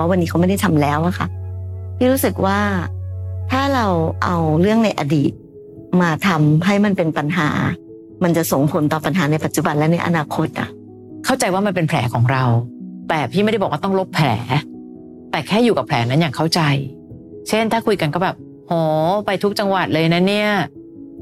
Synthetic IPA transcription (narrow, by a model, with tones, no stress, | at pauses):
wa˦˥wa˧nːi˦˥a˦wma˥˩jda˥˩jt̪ʰa˧mlɛː˦˥wʔa˨˩kʰa̰˦˥˩pʰiː˥˩ɾuː˦˥sɯ˨˩k̚waː˥˩ | t̪ʰaː˥˩ɾa˧wʔa˧wɾɯ˥˩əŋna˧jʔa˧diː˨˩t̪̚ | maː˧t̪ʰa˧mɦa˥˩jma˧npe˧npa˧nɦa̰ː˩˦ | ma˧nt͡ɕa˨˩ʔso˨˩ŋpʰo˩˦nt̪ɔː˨˩pa˧nɦaː˩˦na˧jpa˨˩t̪̚t͡ɕu˨˩ba˧nlɛ˦˥na˧jʔnaː˧kʰo˦˥t̪̚ʔa̰˨˩ʔ | kʰa˥˩wt͡ɕa˧jwaː˥˩ma˧npe˧npʰlɛ̰ː˩˦kʰɔː˩˦ŋɾa˧wt̪ɛː˨˩pʰiː˥˩m˥˩dbɔ˨˩kwa˥˩t̪ɔ˥˩ŋlo˦˥pʰːlɛ̰ː˩˦ | t̪ɛː˨˩kʰɛː˥˩juː˨˩ka˨˩pʰlɛː˩˦na˦˥njaː˨˩ŋkʰa˥˩wt͡ɕa˧j | t͡ɕʰe˥˩nt̪ʰaː˥˩kʰu˧jka˧nkɔː˥˩bɛː˨˩p̚ | hɔː˩˦pa˧jt̪ʰu˦˥k̚t͡ɕa˧ŋwa˨˩t̪̚lɤː˧jna˦˥ni˥˩ɐ